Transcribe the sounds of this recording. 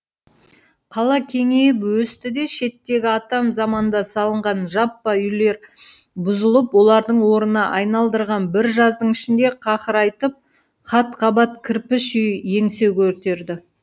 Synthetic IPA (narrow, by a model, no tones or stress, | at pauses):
qʰɑlˠɑkʲʰe̞ŋejɪpwɵst̪ɪd̪e̞ʃe̞t̪ːe̞ɡʲɪɑt̪ɑmzɑmɑnd̪ɑsɑlˠəɴʁɑnʒɑpːɑʏjle̞ɾ | bʊzəlˠəpwo̞lˠɑɾd̪əɴwo̞ɾənɑʔɑjnɑlˠd̪əɾʁɑnbɪɾʒɑzd̪əɴɪʃɪnd̪e̞qʰɑχəɾɑjt̪əp̚ | qɑt̪qʰɑbɑt̪̚kʲʰɪɾpɪʃʏjje̞ŋse̞wkʲʰɵɾt̪e̞ɾd̪ɪ